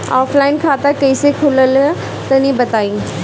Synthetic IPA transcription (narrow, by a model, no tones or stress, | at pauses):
aːfʰlaːɪnkʰaːt̪akɛɪsekʰʊləlɛ | t̪ɐnĩbɐt̪aːĩː